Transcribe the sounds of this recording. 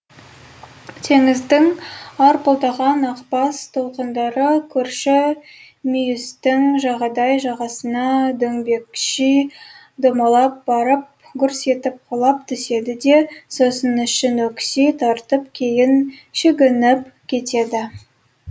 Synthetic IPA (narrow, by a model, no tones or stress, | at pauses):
t̪ʰe̞ŋɪzd̪ɪŋɑɾpolˠd̪ɑʁɑnɑqpɑst̪ʰolˠqənd̪ɑɾəkʲʰɵɾʃɪ | mijʊst̪ɪŋʒɑʁɑd̪ɑjʒɑʁɑsənɑd̪ɵŋbe̞kʃi | d̪omɑlˠɑp̚bɑɾəp̚ | kʲʰʏɾse̞t̪ɪp̚qʰolˠɑp̚t̪ʰʏse̞d̪ɪd̪e̞so̞sənʏʃɪnwɵkʲsijt̪ʰɑɾt̪əp̚kʲʰe̞jɪnʃeɡʲɪnɪpkʲʰe̞t̪e̞d̪ɪ